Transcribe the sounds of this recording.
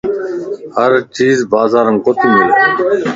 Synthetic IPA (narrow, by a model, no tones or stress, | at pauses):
həɾt͡ʃiːzbaːzaːɾənkot̪ʰimel